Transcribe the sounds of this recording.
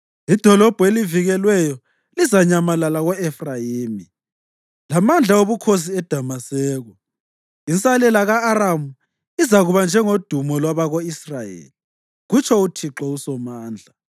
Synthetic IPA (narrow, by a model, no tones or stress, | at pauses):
id̥ʱɔlɔb̥ʱweliviɣɛlwɛjɔ | lizaɲamalalaɣɔɛfrajiːmi | lamand͡ɮʱaoβukʰos̬iɛd̥ʱamasɛːɣɔ | int͡sʼalɛlaɣaːɾamu | izaɣuβand͡ʒʱɛŋod̥ʱumɔlwaβaɣoisrajḛːli | ɣut͡ʃʰɔutʰiǁɔusɔmaːnd͡ɮʱa